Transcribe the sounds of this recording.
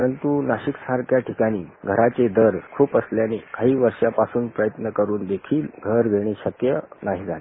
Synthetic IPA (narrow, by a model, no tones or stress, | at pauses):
əɾənt̪unaɕiksaɾkjaʈʰikaɽ̃iːɡʱəɾat͡sed̪ʱəɾkʰuːpəsljanekaɦiːʋəɾʂjapasuːnpɾəjət̪nəkəɾuːnd̪ekʰiːlɡʱəɾɡʱeɽ̃eɕəkjənaɦid͡zale